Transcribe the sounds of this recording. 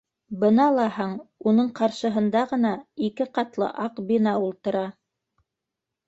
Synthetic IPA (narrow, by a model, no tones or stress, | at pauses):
bɤnɑlˠɑhɑɴunɤɴqɑɾʃɤ̆ɦɤ̆nd̪ɑʁɤ̆nɑikɘqɑt̪lˠɤ̰ʔɑqbinɑulˠt̪ɤ̆ɾɑ